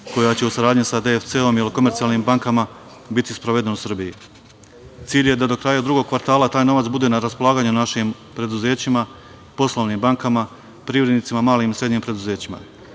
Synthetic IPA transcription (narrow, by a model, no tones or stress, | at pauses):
ko̞jat͡ɕe̞usaɾaːd̪ɲisad̪eft̪seo̞mjeliko̞me̞ɾt̪ialniːmbaŋkama | bit̪ispɾoʋe̞d̪e̞nusr̩biji | t̪siːʎje̞d̪ad̪o̞kɾaːjad̪ɾuɡo̞ɡ̚kʋaɾt̪aːlˠat̪aːjno̞ʋat̪sbud̪e̞naɾaspo̞lˠaːɡaːɲunaʃim | pɾe̞d̪uze̞ːt͡ɕima | po̞slˠo̞ʋniːmbaŋkama | pɾiʋɾed̪nit̪simamaːliːmisɾedɲiːmpɾe̞d̪uze̞ːt͡ɕima̰